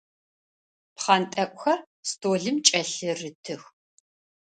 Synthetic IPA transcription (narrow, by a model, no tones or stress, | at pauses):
pχɑntʼɐkʷxɐ | stʰoːɮɨmt͡ʃʼɐɬɨrɨtʰɨx